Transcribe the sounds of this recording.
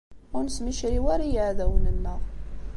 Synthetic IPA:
ʊnsmiʃɾiwaɾajəʕðæwənənːə

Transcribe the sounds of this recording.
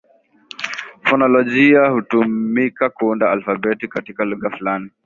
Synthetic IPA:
fɔnɔlɔʄiahutumikakuundaalfabɛtikatikaluɣafulani

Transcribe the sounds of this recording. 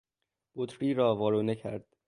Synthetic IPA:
b̥ot̪ʰɾiːɾɒːvɒːɾuːnecʰæ̰ɾd̪̥

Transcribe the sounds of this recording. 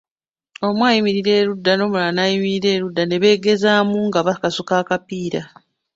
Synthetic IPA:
o̞mwaːjimiɾiɾe̞ːɾudːano̞ːmulanaːjimiɾiɾe̞ːɾudːane̞βe̞ːɡe̞zaːmuŋɡaβakasukaːkapiːɾa

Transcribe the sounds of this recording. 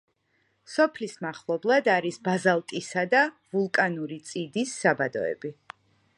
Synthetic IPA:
sɔpʰlismaχlˠɔblˠad̪aɾisbazalˠkʼisad̪a | vulˠkʼanuɾit̪sʼid̪isːabad̪ɔɛ̰bi

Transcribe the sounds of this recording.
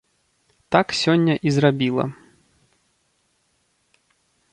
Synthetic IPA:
t̪aksʲɔnʲːɐʔizrabʲilˠɐ̰

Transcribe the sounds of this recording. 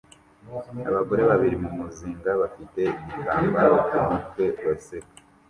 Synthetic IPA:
a̰βaɡo̞ɾe̞βaβiɾimumuziːŋɡaβafite̞imitaːmbaɾakumutwe̞βasek

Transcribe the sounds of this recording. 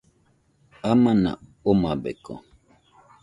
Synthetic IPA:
amana̰omabḛko̰

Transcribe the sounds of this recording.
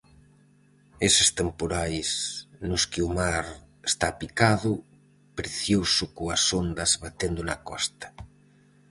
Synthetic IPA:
esest̪empoɾajsnʊskiumaɾ | est̪apikaðʊ | pɾeθjosʊkoasond̪ɐzβat̪end̪ʊnɐkɔst̪ɐ̥

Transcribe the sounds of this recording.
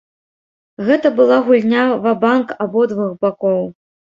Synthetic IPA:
ɣɛt̪ɐbɨlˠaɣulʲnʲavabankabɔd̪vuxbakɔw

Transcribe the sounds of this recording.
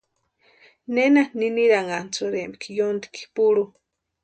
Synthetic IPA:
nenaniniɾaŋant͡soɾemikijond̪i̥ki̥puɺu

